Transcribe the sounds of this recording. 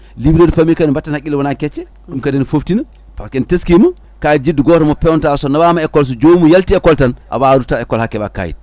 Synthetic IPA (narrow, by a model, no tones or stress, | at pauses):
libɾedufamikanimbatːanhakʲːilɛwɔnakɛt͡ʃːɛ | kumkadɛnfoftina | paskɛniteskimu | kajidd͡ʒiduɡɔtɔmɔpɛwɔntasɔnawamaɛkːɔls̬ɔd͡ʒomujaltiɛkːɔltanʔa̰waɾutaɛkːɔlhakːɛba̰ka̰jḭd